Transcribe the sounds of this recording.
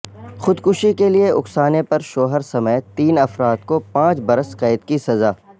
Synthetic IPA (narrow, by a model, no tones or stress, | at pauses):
xʊd̪kʊʃikelieʔʊksaːnepɐɾʃoːɦəɾsɐməjt̪iːnɐfɾaːt̪̚kopãːt͡ʃbɐɾəskɐːɪt̪kisɐzaː